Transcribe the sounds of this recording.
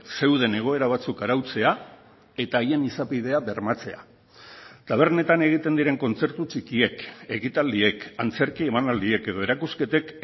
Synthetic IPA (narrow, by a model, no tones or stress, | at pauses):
se̞wð̞e̞ne̞ɣ̞o̞e̞ɾaβ̞at͡sukaɾawt͡se̞a | e̞t̪aːje̞nisapiðe̞aβe̞ɾmat͡se̞a̰ | t̪aβ̞e̞ɾne̞t̪ane̞ɣ̞it̪e̞nd̪iɾe̞ŋko̞nt͡se̞ɾt̪ut͡ʃikie̞ke̞ɣit̪ald̪ie̞kant͡se̞ɾkie̞manald̪ie̞ke̞ð̞o̞e̞ɾakuske̞t̪e̞k